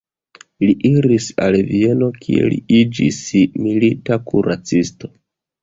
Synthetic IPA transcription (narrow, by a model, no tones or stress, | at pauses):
liʔiɾisalvie̞no̞kʰḭe̞̰lḭid͡ʒḭsmilitakuɾat͡sisto̞̥